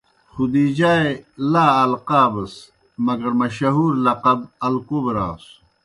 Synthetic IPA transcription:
xud̪iːd͡ʑaːelaːɐlqaːbɐs | mɐɡɐɾmɐɕɐɦuːɾlɐqɐbɐlkobeɾa̰ːs

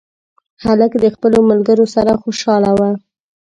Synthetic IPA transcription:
haləkd̪əxpəlomalɡəɾosaɾaxoʃɑlawa

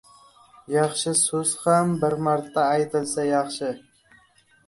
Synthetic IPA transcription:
jɑχʃɪsɵz̥hambɪɾmɑɾt̪ʰːaːjt̪ʰɪlsɛjɑχʃɪ

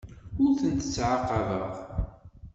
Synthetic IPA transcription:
ʊɾθənt̪ə̥t͡sːʕaqːɑvəðˤ

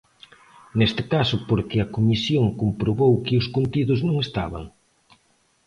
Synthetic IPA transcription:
nest̪ɪkasʊpoɾkɪɐkomisjoŋkompɾoβowkɪʊskont̪iðʊznõŋest̪a̰βa̰ŋ

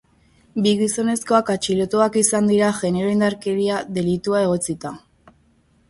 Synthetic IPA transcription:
biɣiso̞ne̞sko̞akat͡ʃilo̞t̪uakisand̪iɾaɣʝe̞ne̞ɾoind̪aɾke̞ɾiaðe̞lit̪uae̞ɣ̞o̞t͡sit̪a

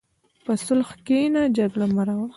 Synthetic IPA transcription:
pəsʊlxkenad͡ʒaɡɽamaɾawa

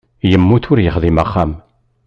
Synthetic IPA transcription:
jəmːuθʊɾjəχðˤimaχːam

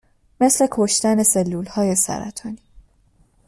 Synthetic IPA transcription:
me̞sle̞kʰo̞ʃt̪æne̞se̞lːuːlhɒːje̞sæ̰ɾæ̰t̪ʰɒːniː

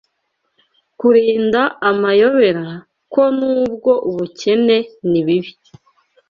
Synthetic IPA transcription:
kuɾiːndaamajo̞βe̞ɾa | ko̞nuːb̚ɡo̞ʔuβuce̞ne̞niβiβi

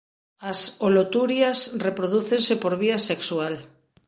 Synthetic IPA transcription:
asolot̪uɾjasrepɾoðuθensepoɾβiaseksual

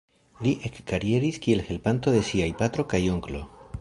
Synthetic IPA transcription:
liʔe̞kːaɾie̞ɾiskie̞lhe̞lpant̪o̞ðe̞siajpat̪ɾo̞kajoŋklo̞̰

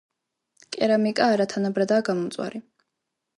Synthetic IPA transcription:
kʼɛɾamikʼaːɾat̪ʰanabɾad̪aːɡamɔmt̪sʼwa̰ɾi

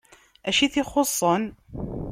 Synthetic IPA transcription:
æʃiθiχosˤːən

